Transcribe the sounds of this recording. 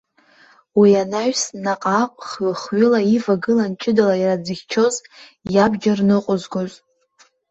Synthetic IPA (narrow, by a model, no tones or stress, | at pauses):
wianaɥsnaqʼaqʷʼχɥχɥʏlaivaɡɨlant͡ʃʼɪdalajaɾad͡zɨɡʲt͡ʃʰo̞z | jabd͡ʒarnɨqʷʼʊzɡoz